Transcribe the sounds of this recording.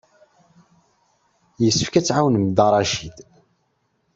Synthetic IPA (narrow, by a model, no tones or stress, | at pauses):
jəsːəfkæt͡sːʕawnmd̪ɑɾˤɑʃid̪